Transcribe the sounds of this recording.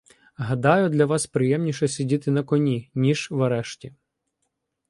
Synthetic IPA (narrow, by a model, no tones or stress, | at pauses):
ɦɐd̪ɑjʊd̪lʲɐʋɑspɾɪjɛmnʲiʃɛsʲidʲit̪ɪnɐkɔnʲinʲiʒʋɐɾɛʃtʲi